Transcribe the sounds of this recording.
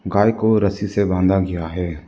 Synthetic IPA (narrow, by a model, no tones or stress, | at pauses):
ɡaːjkoɾəsisebãːnd̪ʱaɡɪjaɦɛː